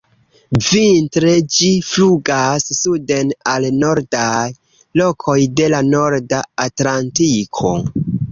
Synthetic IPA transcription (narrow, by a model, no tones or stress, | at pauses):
vintɾe̞d͡ʒifluɡasːude̞nalno̞ɾdaj | lo̞kʰo̞jde̞lano̞ɾdaatlantikʰo̞̰